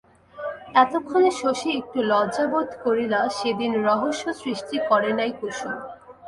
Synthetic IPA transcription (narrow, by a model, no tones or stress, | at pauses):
ɛt̪okʰːoneʃoʃiek̚ʈulɔd͡ʑabod̪ʱkoɾilaʃed̪inɾɔɦoʃːosɾiʃʈikɔɾenajkoʃu